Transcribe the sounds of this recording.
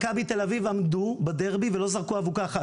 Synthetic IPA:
kabit̪e̞lavivamd̪ubad̪eʁbivelo̞zaʁkuavukaːχa

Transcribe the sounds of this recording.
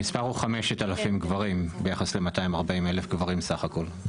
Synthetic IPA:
ispaʁuχameʃetalafimɡvaʁimbejaχasle̞mataimaʁbaimelefɡvaʁimsaχako̞l

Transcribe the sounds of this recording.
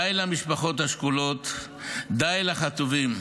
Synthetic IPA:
ajlamiʃpaχo̞t̪haʃkulo̞t̪ | d̪ajlaχat̪uvim

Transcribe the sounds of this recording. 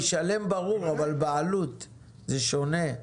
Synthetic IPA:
ʃale̞mbaʁuʁavalbealut̪ | zeʃo̞ne̞

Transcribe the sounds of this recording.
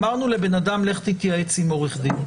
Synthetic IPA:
maʁnule̞be̞nadamleχt̪ikiaet͡simo̞ʁiχd̪im

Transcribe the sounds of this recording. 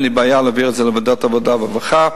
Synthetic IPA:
libaːjalaviʁəzɛləvɔdatavɔdavavaχa

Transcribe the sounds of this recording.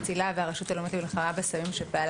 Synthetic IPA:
t͡silaveaʁeʃut̪alomet̪amilχamabesamimʃepeal

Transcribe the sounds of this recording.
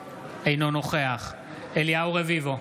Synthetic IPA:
ejnono̞χeaχ | eljawʁevivo̞

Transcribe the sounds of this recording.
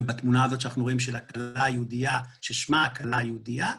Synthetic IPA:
bat̪munaːzo̞t̪ʃanaχnuʁo̞imʃelakalajeudijaʃeʃmaːkalajeudija

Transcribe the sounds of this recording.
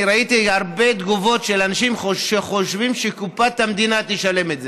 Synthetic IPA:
ɾait̪ihaʁbe̞d̪ɡuvo̞t̪ʃelanaʃimoʃeχo̞ʃvimʃekupat̪hamd̪inat̪iʃale̞metze

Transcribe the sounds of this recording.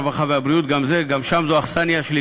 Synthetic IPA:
vaχaveabɾiut̪̚ɡamzeɡamʃamzoaχsaniaʃli

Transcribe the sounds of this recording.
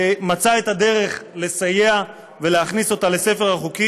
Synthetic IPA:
mat͡saet̪ad̪e̞ʁe̞χle̞saje̞a | ve̞leaχniso̞t̪ale̞se̞fe̞ʁhaχuki

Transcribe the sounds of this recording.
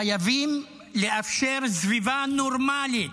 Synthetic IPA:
ajavim | leʔafʃeɾzvivanoɾmali

